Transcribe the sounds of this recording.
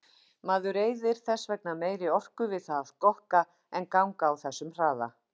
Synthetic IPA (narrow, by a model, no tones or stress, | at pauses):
maːðʏɾeːjðɪɾ̥θɛsːvɛk̚nameːjɾɪɔr̥kʏvɪðθaðkɔhka | ɛnkawŋkaːwθɛsːʏmr̥aːða̰